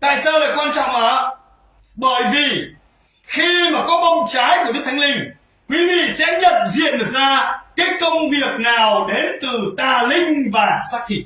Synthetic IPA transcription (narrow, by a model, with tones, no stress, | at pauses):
t̪a̰ː˧˨jsaː˧wlaː˨˩kwaː˧nt͡ɕɔ̰˧˨wŋ͡mʔaː˨˦ | ɓəː˧˩jvi˨˩ | xi˧maː˨˩kɔ˨˦ɓɔ˧wŋ͡mt͡ɕaː˨˦jkɓ̚t̪ʰŋlï˧ŋ̟ | kwi˨˦vḭ˧˨sɛ̰˧˥ɲə˨˩p̚zḭ˧˨ənɗɨ˨˩k̚zaː˧kaː˨˦˥jkə˧wŋ͡mvi˨˩ək̚naː˨˩wɗe˨˦nt̪ɨ˨˩t̪aː˨˩lï˧ŋ̟vaː˨˩saː˦˥k̚t̪ʰḭ˧˨